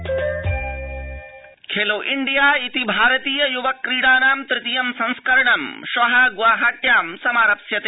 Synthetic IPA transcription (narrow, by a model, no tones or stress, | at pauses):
kʰeːloːʔiɳɖijaːit̪ibʱaːɾɐt̪iːjɐjuʋɐkːɾiːɽaːnaːmt̪ɾɪt̪ijɐmsɐ̃ñskɐɾɐɳɐmʃɐɦɐɡʋaːɦaːt̪jaːmsɐmaːɾɐpsjɐt̪e